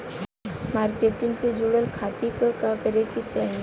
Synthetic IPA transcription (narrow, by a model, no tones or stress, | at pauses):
maːɾkeːʈɪŋsed͡ʒuɽəlkʰaːt̪ikəkakəɾekit͡ʃɛɦn